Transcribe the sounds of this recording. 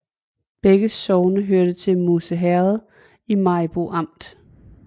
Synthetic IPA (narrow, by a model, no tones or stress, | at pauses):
b̥eɡ̥əsɒʊnəɦøɐ̰d̥ət͡sʰe̝lmusəɦæɐð̩ˠ | imɑ̈ɪb̥o̝ʔɑ̈m̰d̥